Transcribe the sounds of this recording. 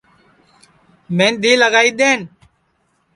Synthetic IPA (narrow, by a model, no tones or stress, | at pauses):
mẽːnd̪iːləɡaːiːɗ̪eːn